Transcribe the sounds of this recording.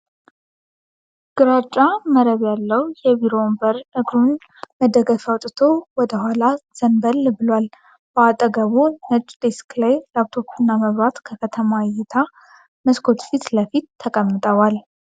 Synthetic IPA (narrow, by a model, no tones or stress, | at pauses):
ɡ̥ɨɾat͡ʃʼːaməɾəβjalːəwjɛbiɾombəɾʔɨɡɾun | məd̪əɡəfawt̪ʼɨt̪ʰowɔd̪əɦʷalaz̥ənbəlbɨlwal | bəat̪ʼəɡəβunət͡ʃʼd̪esklajlawt̪ʰo̞pʰiunːaməβbat̪kʰəkʰət̪ʰəmajɛt̪ʰa | məskʰo̞t̪fit̪ləfit̪ʰːəkʼəmːɨt̪ʼəwal